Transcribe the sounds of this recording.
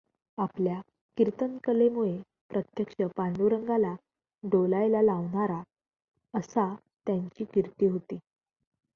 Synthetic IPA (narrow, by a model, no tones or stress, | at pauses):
aplja | kiɾt̪ənkəlemuɭe | pɾət̪jəkʂəpaɳɖuɾəŋɡala | ɖolajlalaʋɳaɾa | əsa | t̪jaɲt͡ɕiːkiɾt̪iːɦot̪iː